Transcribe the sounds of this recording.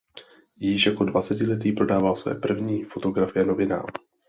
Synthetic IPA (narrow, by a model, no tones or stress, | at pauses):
jɪʃjako̞dvat͡sɛcɪlɛt̪iːpɾo̞daːvalsvɛ̰ːpr̩vɲiːfo̞t̪o̞ɡɾafɪjɛno̞vɪna̰ːɾu